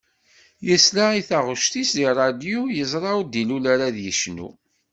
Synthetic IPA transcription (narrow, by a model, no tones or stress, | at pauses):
jəslaiθaʁəʃt̪isd̪irˤɑd̪jujəzˤɾˤɑud̪ilulaɾaðjəʃnṵ